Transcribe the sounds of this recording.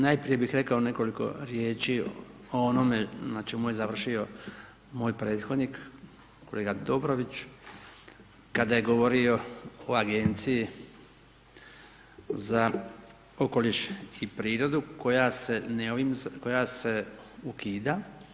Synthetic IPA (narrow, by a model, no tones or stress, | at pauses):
najpɾije̞bixɾe̞kao̞ne̞ko̞liko̞̰ɾjeːt͡ʃi | oo̞no̞me̞znat͡ʃemujezaʋr̩ʃio̞ | moːjpɾe̞ːt̪xo̞d̪nik | ko̞leɡad̪o̞bɾo̞ʋit͡ʃ | kad̪aje̞ɡo̞ʋo̞ɾio̞oaɡe̞nt̪siji | za | o̞ko̞liʃipɾiːɾo̞d̪uko̞jase̞neoʋimko̞jase̞ukiːd̪a